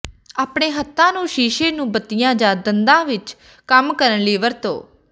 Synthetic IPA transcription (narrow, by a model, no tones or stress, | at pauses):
aːpɳeːɦət̪ʰːãːnũːʃiːʃeːnũːbət̪ɪjãːd͡ʒãːd̪ənd̪ãːʋɪt͡ʃ | kəmkəɾənliːʋəɾt̪õ̰ː